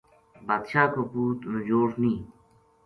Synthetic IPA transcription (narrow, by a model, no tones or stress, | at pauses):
baːd̪ʃaːkopuːt̪nud͡ʑoːɾnĩː